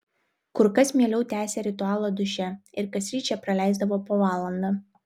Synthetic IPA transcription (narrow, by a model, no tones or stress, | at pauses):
kʊɾkɐsmʲiɛlʲɛʊt̪ʲæːsʲɛɾʲɪt̪ʊɑːlˠɐd̪ʊʃʲɛɪɾkɐsʲɾʲiːt͡ʃʲɛpɾɐlʲæˑɪzd̪ɐʋoːpoːʋɑːlˠɐnd̪ɑ